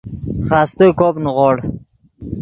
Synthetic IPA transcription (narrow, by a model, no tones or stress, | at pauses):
χɑːst̪okoːpnʁoɽ